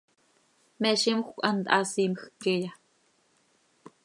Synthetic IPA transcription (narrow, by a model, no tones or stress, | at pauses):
mɛʃimxʷkʷɑnt̪ʔɑsiːmxkːɛja